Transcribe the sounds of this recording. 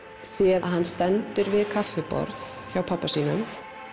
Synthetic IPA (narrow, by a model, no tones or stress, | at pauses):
sɛahanst̪ɛnt̪ʏɾvɪðkʰafɛpɔ̰ɾθçawpʰapːasiːnʏm